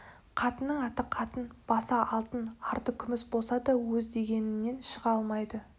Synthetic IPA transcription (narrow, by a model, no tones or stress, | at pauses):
qʰɑt̪ənːəɴɑt̪əqʰɑt̪ənb̥ɑsɑʔɑlˠt̪ənɑɾt̪əkʲʰʏmɪsbo̞lˠsɑd̪ɑwɵzd̪e̞ɡʲe̞nɪnːe̞nʃəʁɑlˠmɑjd̪ə